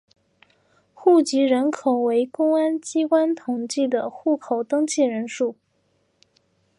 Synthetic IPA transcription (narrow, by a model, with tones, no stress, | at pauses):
xu˥˩t͡ɕi˧˥ɻə˧˥nkʰo˨˩ʊwe˧˥ɪkʊ˥ŋa˥nt͡ɕi˥kwa˥nt̪ʰʊ˨˩ŋt͡ɕi˥˩d̪ə˩xu˥˩kʰo˨˩ʊt̪ɤ˥ŋt͡ɕʰi˥˩ɻə˧˥nʂu˥˩